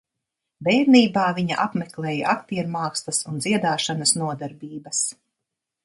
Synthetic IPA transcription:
bɛːjɾniːbaːviɲa̰ʔapmeklˠɛːja̰ʔak̚t̪iɛɾmaːkst̪ɐsunziɛd̪aːʃanɐsnuɔd̪aɾbʲiːbɐs

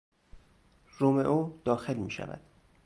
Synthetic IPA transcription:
romeʔoːd̪ɒːxe̞lmiːʃæ̰væ̰d̪̥

